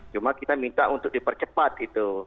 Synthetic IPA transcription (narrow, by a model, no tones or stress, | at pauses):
t͡ʃumakit̪amint̪aʔunt̪ʊk̚dipərt͡ʃəpat̪it̪u